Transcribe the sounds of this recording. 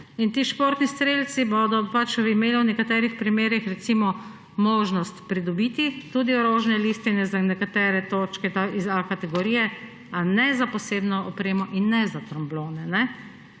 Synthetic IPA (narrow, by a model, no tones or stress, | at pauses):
int̪iːʃpoɾt̪nist̪ɾeːlt̪siboːd̪ɔpat͡ʃimeːliwnɛkat̪ɛːɾixpɾimeːɾixɾɛt̪siːmɔ | moːʒnɔst̪pɾid̪ɔbit̪it̪uːd̪iɔɾoːʒnɛlist̪inɛzanɛkat̪ɛːɾɛt̪ot͡ʃkɛt̪aizakat̪ɛɡɔɾiːjɛ | anɛzapɔseːbnɔːpɾeːmɔʔinːɛzat̪ɾɔmbloːnɛnɛ